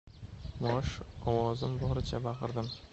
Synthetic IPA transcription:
mɒʃɒwɒzɪmbɒɾɪt͡ʃʰabɑʁɨɾd̪ɪm

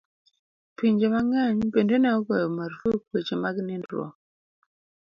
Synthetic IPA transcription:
piɲd͡ʒemaŋaɲbendenaubəmaɾvuk̚wed͡ʒemaɡinendɾɔ̰

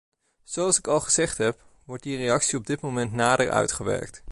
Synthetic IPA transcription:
z̥owɑlˠsɪkɑlˠχəz̥ɛχtɦɛp | ʋɔɹt̚direjɑksiɔb̚dɪtmowmɛntnaːdəɹʔœ̰ɥtχəʋɛ̰ɹk̚t

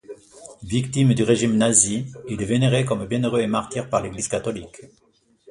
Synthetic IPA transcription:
vikt̪imd̪yʁeʒimnaziileveneʁekɔmbjɛ̃nøʁøemaʁt̪iʁpaʁleɡliz̥kat̪ɔlik

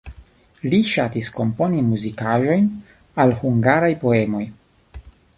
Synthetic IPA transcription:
liʃatisko̞mpo̞nimuzikaʒo̞jn | alhuŋɡaɾajpo̞emo̞j

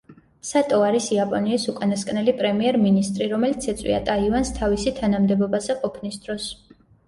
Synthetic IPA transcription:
sat̪ʼɔaɾisiapʼɔniːsukʼanaskʼnɛlipʼɾɛmiɛɾminist̪ʼɾiɾɔmɛlit̪sʰɛt̪sʼwḭat̪ʼaivanst̪ʰavisit̪ʰanamd̪ɛbɔbazɛqʼɔpʰnisd̪̥ɾɔs

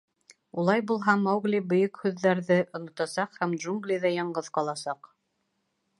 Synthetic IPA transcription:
ulˠɑjbulˠɦɑmɑwɡlʲibɵ̆jɵkhʉðːæɾðɘʔŏnŏt̪ɑsɑqhæmdʒuŋɡlʲiðæjɑɴɢɤðqɑlˠɑsɑq

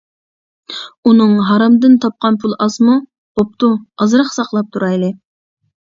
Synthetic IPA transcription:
unɨŋɦɑɾɑmd̪ɨnt̪ʰɑp̚qɑnpʰulˠɑsmu | op̚t̪ʰuɑzɾɑχsɑχlˠɑp̚t̪ʰuɾɑjlˠɨ

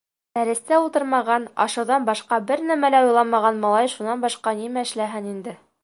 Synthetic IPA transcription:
d̪̥æɾɘ̆st̪æulˠt̪ɤɾmɑʁɑnɑ̰ʃɤ̆wðɑnbɑʃqɑbɘɾnæmælæujlˠɑnmɑʁɑnmɑlˠɑjʃunːɑnbɑʃqɑnimæɘ̆ʃlæɦɘnind̪ɘ

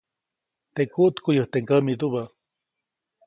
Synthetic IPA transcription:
t̪ekuʔt̪kujəht̪eŋkəmit̪uβa

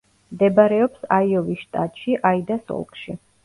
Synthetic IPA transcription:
md̪ɛbaɾɛɔpsaiɔviʃt̪ʼat̪ʼʃiʔaid̪asɔ̰lˠkʼʃi

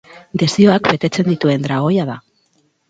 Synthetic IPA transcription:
d̪e̞sio̞akbe̞t̪e̞t͡se̞nd̪it̪ue̞nd̪ɾaɣ̞o̞jaða

